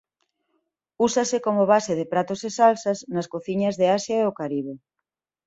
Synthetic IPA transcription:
usasekomʊβ̞aseðɪpɾat̪osesalsɐsnɐskoθiɲɐzðeasjaeokaɾiβe

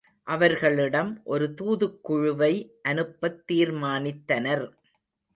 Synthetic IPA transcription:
ʔɐʋɐɾɣɐɭɪɽɐmʔɔɾɯt̪uːðɯkːʊɻʊʋɐɪʔɐnɯpːɐt̪ːiːɾmaːnɪt̪ːɐnɐɾ

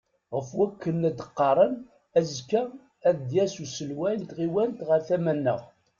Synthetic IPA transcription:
ʁəfwækːənːæd̪əqːɑɾˤən | æzkæ | æðd̪jæsusəlwælt̪ʁiwænt̪ʁəɾθæmænːə̰ʁ

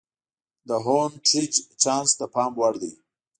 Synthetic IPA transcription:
d̪əɦonʈɾit͡ʃt͡ʃɑnst̪apɑːmwaɽd̪əj

